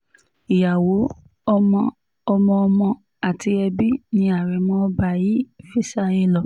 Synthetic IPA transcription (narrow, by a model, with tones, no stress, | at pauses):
i˨ja˨wo˨˦ | ɔ˧mɔ̃˧ | ɔ˧mɔ̃˧ɔ˧mɔ̃˧ | a˨ti˧˦ɛ˧bi˦nĩ˧˦a˨ɾɛ˨mɔ̃˦ɔ˧ba˧˨ji˨˦fi˦sa˦˧jĩ˧˦lɔ˨